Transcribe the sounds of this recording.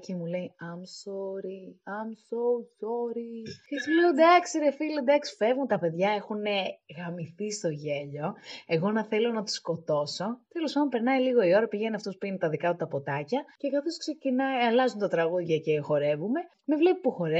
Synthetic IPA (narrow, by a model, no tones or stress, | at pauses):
cemule̞iɐmsoɾiɐmsosoɾicesileod̪ɐksiɾefilod̪ɐksi̥fe̞vɣunt̪ɐpe̞ðʝɐe̞xuneɣɐmiθist̪o̞ʝe̞ʎo̞e̞ɣo̞nɐθe̞lo̞nɐt̪i̥sko̞t̪o̞so̞t̪e̞lo̞spɐnd̪opeɾnɐiliɣo̞io̞ɾɐpiʝeniɐft̪o̞spuinet̪ɐðikɐt̪ut̪ɐpo̞t̪ɐcɐce̞kɐθo̞skse̞cinɐiɐlɐzunt̪ɐt̪ɾɐɣuðʝɐce̞xo̞ɾe̞vume̞ | mevle̞pipuxo̞ɾe